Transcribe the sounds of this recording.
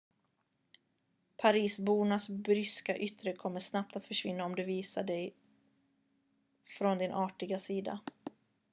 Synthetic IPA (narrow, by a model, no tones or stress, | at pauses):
pʰaɾiːsbuːnasbɾʏskaʔʏt̪ɾəkʰɔmːəʂnap̚t̪at̪fœʂvɪnːaɔmd̪ɵviːsaɖɛj | fɾɔnd̪ɪnʔɑːʈɪɡasiːd̪a̰